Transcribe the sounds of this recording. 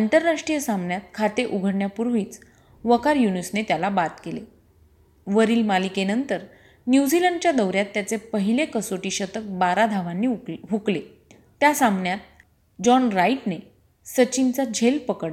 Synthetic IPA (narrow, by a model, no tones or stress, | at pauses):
iɳʈəɾnaʂʈijəsãmbɳjat̪̚kʰat̪eʔuɡʱəɽɳjapuɾʋiːt͡s | ʋəkaɾjunusnet̪jalabat̪kele | ʋəɾiːlmalikenənt̪əɾ | njud͡ʑiləɳɖt͡ɕjad̪əwɾjat̪ːjat͡sepəɦilekəsoʈiːɕət̪ək̚baɾad̪ʱaʋanːiɦukle | t̪ːjasãmbɳjat̪̚ | d͡ʑɔnɾaiʈne | sət͡ɕint͡sad͡ʑʱelpəkəɽ